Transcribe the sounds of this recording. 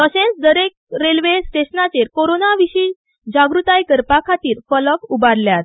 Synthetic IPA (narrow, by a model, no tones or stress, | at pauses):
t̪əɕẽt͡sd̪əɾek̚ | ɾelʋesʈeɕnat͡ɕeɾkoɾonaʋiɕiː | d͡ʑaɡɾut̪ajkəɾpakʰat̪iːɾfələkubaɾljat̪